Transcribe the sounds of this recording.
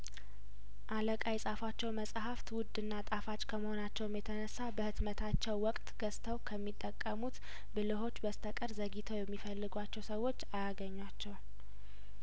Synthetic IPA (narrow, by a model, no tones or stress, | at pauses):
ʔaləkʼajsʼafat͡ʃːɛwməsʼhaft̪wʊd̪ːɨnːat̪ʼafat͡ʃʼkʰəməho̞nat͡ʃːɛwɨmjɛt̪ʰənəsːabəhɨt̪mət̪ʰat͡ʃːɛwːɔkʼt̪ɡ̥əst̪ʰəwkʰəmːit̪ʼːəkʼːəmut̪ | bɨlɨɦo̞t͡ʃːbəst̪ʰəkʼəɾzəɡit̪ʰəwjɛmːifəlːɨɡʷat͡ʃːɛwsəwːo̞t͡ʃːajaɡəɲːwat͡ʃːɛw